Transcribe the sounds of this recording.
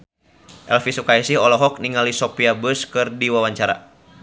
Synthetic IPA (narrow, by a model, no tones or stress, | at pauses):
ʔɛlfisukaisihɔlɔɦɔk̚niŋalisɔpiabəskɨrdiwawaɲt͡ʃaɾa̰